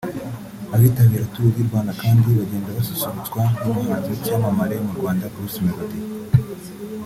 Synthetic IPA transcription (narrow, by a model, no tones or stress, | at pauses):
aβiːtaβiːɾatuuviɾɡwaːnakaːndiβaɟe̞ːndaβasusuɾut͡sɡwanumɲaːnzecaːmamaɾe̞muɾɡwaːndaɡɾusimiβate